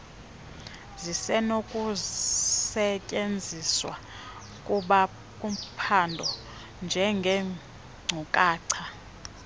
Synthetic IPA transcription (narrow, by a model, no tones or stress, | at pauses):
zisɛnokʼu | sɛcʼend͡zʱiswa | kʼuɓa | kʼum̩pʰandʱɔ | nd͡ʒʱɛŋɡʱɛ | ŋ͡ǀʱukʼaːǀʰa